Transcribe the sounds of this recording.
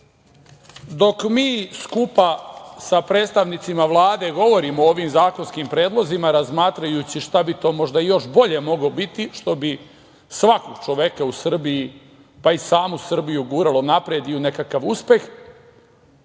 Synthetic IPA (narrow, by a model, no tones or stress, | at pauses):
d̪o̞kmiːskupasapɾe̞ːt̪st̪aʋnit̪simaʋlˠaːd̪e̞ɡo̞ʋo̞ɾimooːʋimzaːko̞nskimpɾe̞ːd̪lˠo̞zimaɾazmaːt̪ɾajut͡ɕiʃt̪abit̪o̞ːmo̞ʒd̪ajo̞ʃbo̞ʎe̞mo̞ɡlobit̪iʃt̪o̞bi | sʋako̞ɡ̥t͡ʃo̞ʋe̞kausr̩biji | paisaːmusr̩bijuɡuːɾalˠonapɾed̪iune̞kakaʋuspe̞x